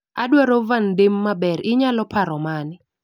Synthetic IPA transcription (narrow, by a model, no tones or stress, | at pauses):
adwaɾovandemːabɛɾɪɲalɔpʰaɾɔmanɪ